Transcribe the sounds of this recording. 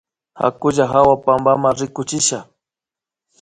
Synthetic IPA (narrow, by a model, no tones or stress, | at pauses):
ha̰kʊʒaɦawapambamaŋɾɪkʊt͡ʃɪʃa